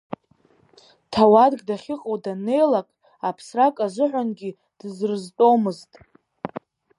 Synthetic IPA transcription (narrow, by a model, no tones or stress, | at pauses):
tʰawadɡʼdaχʲɪqʼowdane̞jlakʼ | apʰsrakʼaʒʷɨħʷanɡʲi | d̥ɨzrɨztʼo̞mɨztʼ